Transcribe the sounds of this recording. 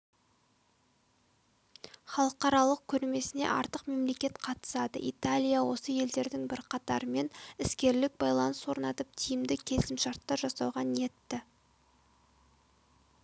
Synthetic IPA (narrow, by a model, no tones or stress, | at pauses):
χɑlˠəqɑɾɑlˠəq̚kʲʰɵɾme̞sɪne̞̰ʔɑ̰ɾt̪əqme̞mle̞kʲe̞t̪qʰɑt̪ə̥sɑd̪ə̰ʔit̪alʲijawo̞səje̞ld̪e̞ɾd̪ɪŋbɪɾqʰɑt̪ɑ̰ɾəme̞nɪskʲe̞ɾlɪk̚bɑjlˠɑnəswo̞ɾnɑt̪əp̚t̪ʰijɪmd̪ɪkʲʰe̞sɪmʃɑɾt̪ːɑɾʒɑsɑwʁɑnje̞t̪ːɪ